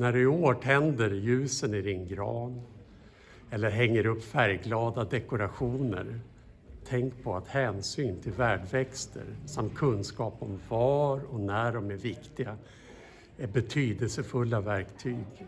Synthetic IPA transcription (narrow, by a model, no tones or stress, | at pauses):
næɖɵɪoːʈʰɛnd̪əɾjʉ̟ːsənɪd̪ɪnɡɾɑ̰ːn | ɛlːəɾɦɛŋːəɾɵpːfæɾjɡlɑːd̪ad̪ɛkʊɾaɧuːnə̰ɾ | t̪ʰɛŋkpʰɔat̪hɛːnsyːnt̪ʰɪlvæːɖvɛkst̪ʰə̰ɾsamt̪̚kʰɵnːskɑːpɔmvɑɾɔnæɖɔmæɾvɪkt̪ɪɡa | ɛbɛt̪ʰyːd̪əlsəfɵlːavæɾkt̪ʰyːɡ